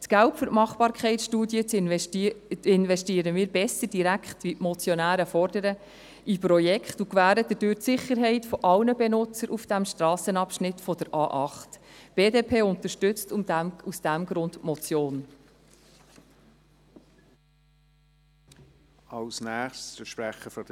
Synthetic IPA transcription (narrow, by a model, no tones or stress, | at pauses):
tɡ̥æltfʏɾtmɑχb̥ɑːɾkʰχɛɪtʃtuːdjə | ɪnvɛʃtiːəɾəmiːɾbɛsəɾd̥iɾækχt̪ʋitmɔt͡sjɔnæːɾəfɔɾdəɾə | ipɾɔjɛkχtukʋæːɾəd̥̪ədøːɾtsɪχəɾɦɛɪtfɔʔɑlnəbɛnʊt͡səɾʔufd̥æmʃtɾɑːsənɑpʃnɪt̪fɔd̥əɾʔɑːʔɑχtb̥eːdeːpʰeːʊnt̪əɾʃtʏt͡stusd̥æmɡɾʊnd̪mɔt͡sjoːn | ɑlsnæːχsəʃpɾæχəfɔ